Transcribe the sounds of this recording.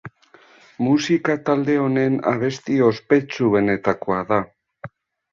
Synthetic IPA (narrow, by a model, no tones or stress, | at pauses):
musikat̪ald̪e̞o̞ne̞na̰β̞e̞st̪io̞spe̞t͡suβe̞ne̞t̪ako̞aða